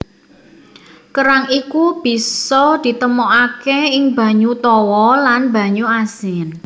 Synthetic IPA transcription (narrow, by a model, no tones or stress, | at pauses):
kəɾaŋikub̥i̤sɔd̪̥i̤t̪əmoʔakeɪŋba̤ɲut̪ɔwɔlanba̤ɲuasɪn